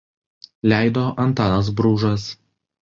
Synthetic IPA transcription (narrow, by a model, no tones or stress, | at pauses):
lʲæˑɪd̪oːʔɐnˑt̪ɑːnɐs̬bɾuːʒɐs